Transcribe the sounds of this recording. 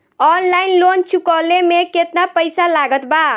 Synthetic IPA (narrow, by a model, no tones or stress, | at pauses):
ɔnlainlont͡ʃʰukɔlemeket̪napəjsalaɡət̪ba